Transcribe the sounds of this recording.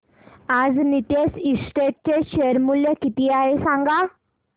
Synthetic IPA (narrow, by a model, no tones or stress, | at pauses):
ad͡znit̪esisʈeʈ̚t͡ɕeɕeəɾmuljəkit̪iːaɦesãŋɡa